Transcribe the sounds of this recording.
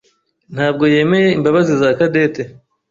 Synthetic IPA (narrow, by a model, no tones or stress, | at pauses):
n̥haːb̚ɡo̞je̞ːme̞je̞imbaβazizakade̞te